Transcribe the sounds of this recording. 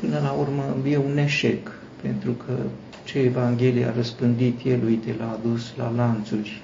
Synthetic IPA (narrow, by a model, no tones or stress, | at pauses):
pɨnəlaurməje̞une̞ʃe̞k | pe̞̰nt̪ɾukʰə | t͡ʃeevaŋɡʲe̞lija̰rəspɨnd̪it̪jelujt̪elaːd̪usla̰lant̪surʲ